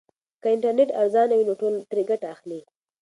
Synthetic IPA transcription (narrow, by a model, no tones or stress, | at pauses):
kaɪɳʈaɾneʈaɾzɑnawinoʈolt̪ɾeɡaʈaːxli